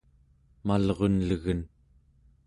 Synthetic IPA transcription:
malʁo̞nləɣən

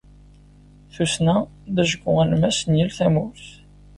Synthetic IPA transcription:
θusnæ | ðæʒəɡːʊʁælmæsnjilθæmʊɾθ

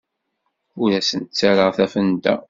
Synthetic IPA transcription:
uɾæsənt̪t͡sːæɾəʁθæfənd̪æ̰

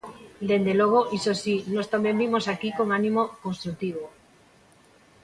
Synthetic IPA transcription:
d̪end̪eloɣ̞oʔisosinost̪ambjẽmbimosakikoŋanĩmokonst̪ɾuk̚t̪iβ̞o

